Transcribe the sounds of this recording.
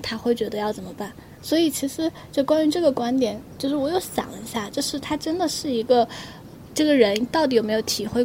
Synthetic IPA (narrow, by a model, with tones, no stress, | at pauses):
t̪ʰa˥xwe˥˩ɪt͡ɕɥɛ˧˥d̪ə˧jɑ˥˩ʊt͡sə˨˩nmə˩˦pa˥˩n | swɔ˧˥i˨˩t͡ɕʰi˧˥ʂɻ̩˧˥ | t͡ɕo˥˩ʊkwa˥ny˧˥ʈ͡ʂɤ˥˩ɡə˩kwa˥nt̪jɛ˨˩˦nt͡ɕjo˥˧ʂɻ̩˥˩wɔ˨˩jo˥˩ʊɕjɑ̰˨˩ŋlə̰˧˦i˧˥ɕja˥˩ʈ͡ʂɤ˥˧ʊʂɻ̩˥˩t̪ʰa˥ʈ͡ʂə˥nd̪ə˨ʂɻ̩˥˩i˧˥ɡə˧ | ʈ͡ʂɤ˥˩ɡə˩ɻə˧˥nt̪ʊt̪i˨˧jo˨˩ʊme˧˥jo˧˥ʊt̪ʰi˨˩xwe˥˧ɪ